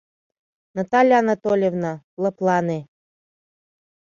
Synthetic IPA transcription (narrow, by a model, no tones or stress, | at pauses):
nɑt̪ɑlʲjːnɑt̪olʲevnɑ | lɤ̆plˠɑne